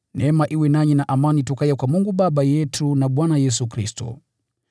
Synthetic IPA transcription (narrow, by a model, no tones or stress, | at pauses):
nɛmaʔiwɛnaɲinaʔamanitukajakwamuŋɡuɓaɓajɛtʰunaɓwanajɛs̬ukɾistɔ̰